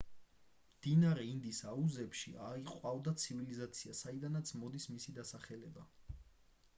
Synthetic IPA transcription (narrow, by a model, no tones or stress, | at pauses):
md̪̥inaɾɛind̪isauzɛpʃḭaiqʼavd̪at̪sʰivilizat̪sʰiasaid̪anat̪sʰmɔd̪ismisid̪asaχɛlɛba